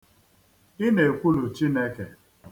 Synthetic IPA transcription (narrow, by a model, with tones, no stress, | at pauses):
ɪ˦ne˨kʷu˦lu˨t͡ʃi˦ne˦ke˨